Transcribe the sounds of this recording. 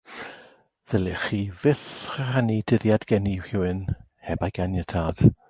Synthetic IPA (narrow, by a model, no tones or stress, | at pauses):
ðəlɪχiːvɪθrəhanidɪðjadɡɛniwhɪwɨn | hɛbajɡ̥anjətʰad̥